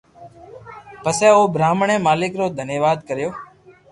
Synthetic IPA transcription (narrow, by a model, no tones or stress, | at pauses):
pəseːoːbɾaːmɳẽːmaːlɪkɾoːd̪ʱənjəʋaːd̪kəɾjoː